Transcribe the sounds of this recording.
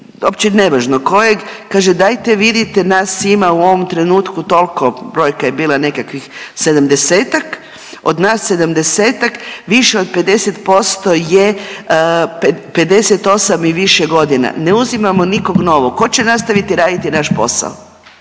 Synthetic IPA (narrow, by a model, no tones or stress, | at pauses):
opt͡ɕineʋaʒnoko̞jeɡkaːʒed̪ajt̪eʋid̪it̪enaːsimauo̞ʋo̞mt̪ɾe̞nuːt̪kut̪o̞lˠko̞bɾo̞jkaje̞biːlˠane̞kakʋixse̞d̪amd̪e̞seːt̪ak | o̞d̪naːsːe̞d̪amd̪e̞seːt̪akʋiʃeo̞d̪̚pe̞d̪e̞set̪po̞st̪o̞je | pepe̞d̪e̞set̪o̞samiʋiʃeɡo̞d̪ina̰neuzimamo̞niko̞ɡno̞ʋoko̞t͡ɕenast̪aʋit̪iɾaːd̪it̪inaʃpo̞̰sa̰o